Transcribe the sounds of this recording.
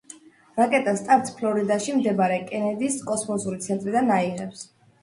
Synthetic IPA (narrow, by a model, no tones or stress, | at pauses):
ɾakʼɛt̪ʼast̪ʼaɾt̪sʰpʰlɔɾid̪aʃimd̪ɛbaɾɛkʼɛnɛd̪iskʼɔsmɔsuɾit̪sʰɛnt̪ʼɾid̪anaiʁɛps